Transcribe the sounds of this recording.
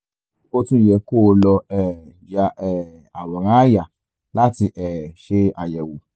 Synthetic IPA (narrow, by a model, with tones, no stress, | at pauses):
ko˦tũ˦˨jɛ˧˨ko˦˨˧lɔ˧ɛ˨ja˧ɛ˨ | a˨wɔ˨ɾ̃ã˨˦ja˨ | la˦ti˧ʔɛ˨ʃe˧a˨jɛ˨wu˨